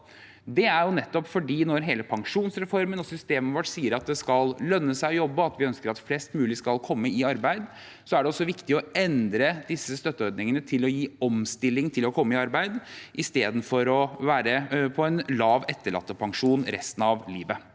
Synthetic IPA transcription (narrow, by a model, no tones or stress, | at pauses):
d̪ɛæɾjʊnɛt̪ːɔpfɔɖiːnɔɾɦeːləpʰɑŋʂuːnsɾɛfɔɾmənɔsʏst̪eːməʋɔʈsiːəɾɑt̪̚d̪ɛskɑllœnːəsæɪɔjɔbːəɑt̪ʋɪœnskəɾɑt̪flɛst̪mʉːlɪskɑlkʰɔmːəɪɑɾbæɪd̪ | sɔæɖɛɔsːɔʋɪkt̪ɪɔɛnd̪ɾəd̪ɪsːəst̪œt̪ːəɔɾd̪nɪŋənət̪ʰɪlɔjiːɔmst̪ɪlːɪŋt̪ʰɪlɔkʰɔmːəɪɑɾbæɪd̪ʔɪst̪eːd̪n̩fɔɾɔʋæːɾəpʰɔɛnlɑːʋɛt̪ːəɭɑ̰t̪ːəpʰɑŋʂuːnɾɛ̰st̪n̩ɑʋliːʋə